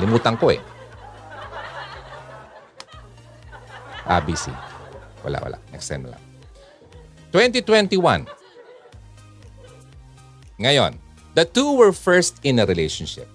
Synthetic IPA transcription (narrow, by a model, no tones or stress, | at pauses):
lɪmuːt̪ɐŋkoɛ̰ | ʔa̰bisḭwɐ̰la̰ʔwɐ̰la̰ʔnɛ̰kst̪ɛ̰nmɐ̰la̰ŋ | t̪wɛ̃nt̪̬it̪wɛnt̪iwãn | ŋɐjo̰n | d̪ɐt̪uwɛɹfɛɹst̪ɪ̃nɐɾɪlejʃonʃɪ̰p̚